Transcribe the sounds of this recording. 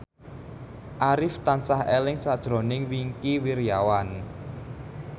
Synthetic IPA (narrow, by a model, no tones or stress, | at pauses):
ʔaɾɪft̪ansahelɪŋsad̥ʒ̥ɾo̤nɪŋwiŋkiwiɾjawan